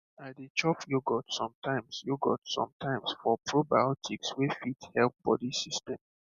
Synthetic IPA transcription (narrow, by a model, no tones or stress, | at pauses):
adet͡ʃɔfjoɡɔtsɔ̃mtʰãɪ̃msjoɡɔ̰tsɔ̰̃mtʰãɪ̃msfɔpʰɹobajɔtʰikswefithɛlp̚b̥ɔ̰disistɛ̃m